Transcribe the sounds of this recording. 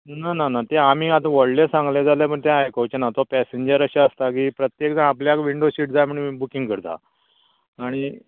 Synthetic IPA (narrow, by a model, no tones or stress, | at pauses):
nananat̪eam̤iːat̪ãʋəɽlesãŋɡlẽd͡zaljepəɳt̪ãajkowt͡ɕenat̪opɛseɲd͡ʑəɾəɕaəst̪ak̬iːpɾət̪jekd͡zãapljakʋiɳɖoɕiːʈ̚d͡zaməɳbukĩŋɡkəɾt̪a̰ː | ɽ̃i